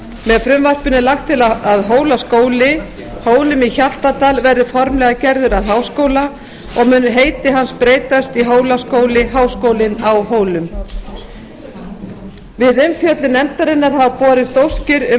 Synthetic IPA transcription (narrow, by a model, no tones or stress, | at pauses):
mɛðfɾʏmvar̥pʏnːɪlaxt̪ʰːɪlaaðɦoːwlaskoːwlɪ | hoːwlʏmiçal̥t̪at̪aːlvɛɾðɪfɔɾmlɛɣacɛɾðʏɾaðɦaːwskoːwla | ɔɣmʏːnːʏɦeːjt̪ɪɦanspɾeːjt̪ast̪iɦoːwlaskoːwlɪɦaːwskoːwlɪnawɦoːwlʏm | vɪðʏmfjœt̪lɪnɛmt̪aɾɪnːaɾ̥havapɔːɾɪst̪owscɪɾʏ